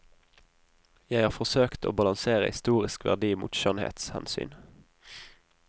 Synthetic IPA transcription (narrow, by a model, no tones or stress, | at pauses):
jæɪhɑːʁfɔsøːkt̪ʰo̰ːbɑlɑŋseːʁə̰hɪst̪uːʁɪskʋæ̰ʁd̪iːmṵːt̪ʃœnhḛːt̪shɛnsy̰ːn